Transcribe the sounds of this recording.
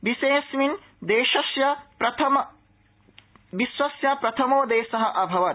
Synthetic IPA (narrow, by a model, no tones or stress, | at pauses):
ʋiseːsmin | d̪eːʃɐsjɐpɾɐt̪ʰɐmɐ | ʋiswɐsjɐpɾɐt̪ʰɐmoːd̪eːʃɐɦɐʔɐbʱɐʋɐ